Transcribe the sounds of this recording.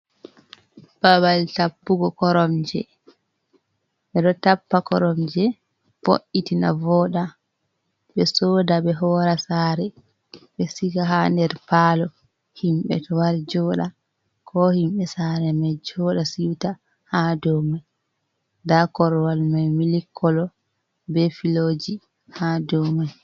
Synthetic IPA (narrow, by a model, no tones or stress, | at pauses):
b̥abaltapːuɡɔkɔɾɔmd͡ʒɛ̰ | ɓɛɗɔtapːakɔ̰ɾɔmd͡ʒɛ | po̰ʔitina̰vɔɗa | ɓɛsɔːdaɓɛɦɔːɾasaːɾɛ | ɓɛsiɡaɦandɛɾpalɔ | himɓɛ̰tɔwaɾd͡ʒɔɗa | kʰɔhimɓɛsaɾɛmajd͡ʒɔɗasiwta | hadɔmaj | dakɔɾwalmajmilikʰːɔlɔ | bɛfilod͡ʒi | hadɔmaj